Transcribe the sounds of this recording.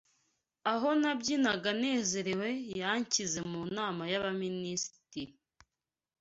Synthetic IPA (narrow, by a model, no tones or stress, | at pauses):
aɦo̞nabɟinaɡane̞ːze̞ɾewe̞jaɲcize̞munaːmajaβaminisi̥ti